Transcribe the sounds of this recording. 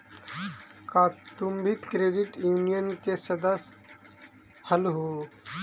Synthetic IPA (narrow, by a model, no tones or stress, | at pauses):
kaːt̪umbʱikɾeːɖiʈjuːnijənkesəd̪əs | həlɦuː